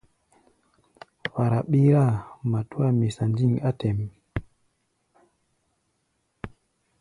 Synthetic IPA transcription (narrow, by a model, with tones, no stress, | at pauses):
wa˨ɾa˨ɓi˦ɾa˦˨ma˨tu˦a˦mi˨sa˨nd͡ʒi˦˨ŋa˦tɛ˨m